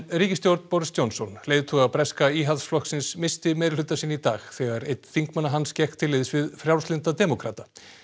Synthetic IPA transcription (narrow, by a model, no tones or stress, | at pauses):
riːcɪst̪jowɾt̪n̥pɔɾɪst̪jownsɔnleːjðɪt̪ʰuːɣapɾɛskaiːɦaðsflɔhksɪnsmɪst̪ɪmɛːðɾɪl̥ʏt̪ːasiːnit̪a̰ːɣθɛɣaɾejt̪θiŋkmanːaɦanscɛxkt̪ʰːɪlːɪðɪsvɪðfɾjawlst̪lɪnt̪at̪ɛːmɔkʰɾaːt̪a